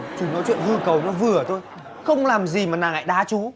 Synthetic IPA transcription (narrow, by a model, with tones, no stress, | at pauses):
t͡ɕu˧˩nɔ˨˦jt͡ɕwḭ˧˨ənhɨ˧kə˨˩wnɔ˨˦vɨ˨˩ət̪ʰo˧j | xə˧wŋ͡mlaː˨˩mzi˨˩maː˨˩naː˨˩ŋʔa̰ː˧˨jɗaː˨˦t͡ɕu˨˦